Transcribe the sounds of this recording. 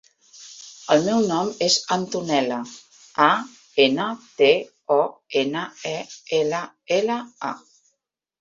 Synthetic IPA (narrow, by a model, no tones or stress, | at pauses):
əlˠmɛwnɔmezant̪unɛlə | a | enət̪e | ɔenəɛelə | eləa̰